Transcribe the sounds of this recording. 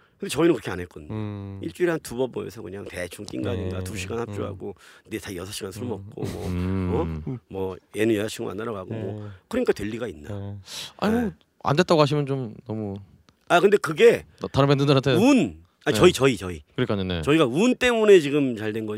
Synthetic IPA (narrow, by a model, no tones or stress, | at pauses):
kɯnd̥̪et͡ɕʌinɯnkɯɾʌkʰanɦek͈ʌdɯɲoiɭt͡ɕ͈uiɭantubʌbo̰ḛsʰʌkɯɲaŋte̞t͡ɕʰuŋt͈ḭŋɡaɲinɡatuɕʰiɡanhap̚t͡ɕ͈uɦa̰ɡonetajʌsʰaɕʰiɡansʰuɭmʌp̚k͈o̰mʌʌmwʌjenɯnjʌsat͡ɕʰuŋ̰a̰ndʌɾaɡaɡomwʌkɯɾʌɲik͈atwe̞ʎːiɡainːaa̰ɲimo | a̰ndet͈aɡoɦaɕ̬ʰimjʌnt͡ɕomnʌmu | akɯnde̞kɯɡe̞taɾɯmendɯndʌɾantʰeun | at͡ɕʌit͡ɕʌit͡ɕʌikɯɾkʰaɲonḛt͡ɕʌiɡaunt͈e̞mune̞t͡ɕiɡɯmt͡ɕaɭdwe̞nɡʌ